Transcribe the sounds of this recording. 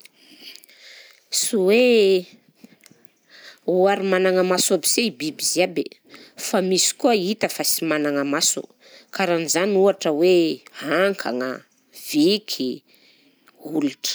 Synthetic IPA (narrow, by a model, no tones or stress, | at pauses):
suwe | uaɾimanaŋəmasabi̥seibibiziabefamisi̥kuait̪əfasimanaŋəmasṵ | kaɾanizanuaʈ͡ʂəweaŋkʰa̰ŋə̰ | v̥ikʰi | uliʈ͡ʂə̥